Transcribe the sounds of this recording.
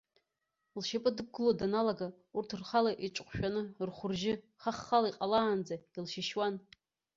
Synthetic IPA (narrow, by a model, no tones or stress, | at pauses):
lʃapʼɨdɨb̚ɡɨlodanalaɡa | urtʰrχalaʔiʈ͡ʂʼqʷʰʼʃᶣanɨrχʷʊrʒɪ | χaχːalaiqʼalaːnd͡zailʃɪʃwan